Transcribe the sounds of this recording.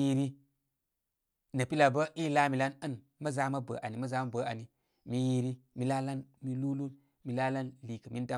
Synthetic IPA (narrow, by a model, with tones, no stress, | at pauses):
i˦ɾi˦ | nə˨pi˦la˨bə˦ʔi˦la˦mi˨la˦nə˦n | mə˦za˨˦ma˦bə̰˨ʔa˨ni˨mə˦za˦ma˦bə˨˦a˨ni˨ | mi˨ji˦ɾi˦mi˨˦la˦la˦nmi˨lu˦lu˦n | mi˨la˦la˦nli˨kə˨mi˦n˦ta˦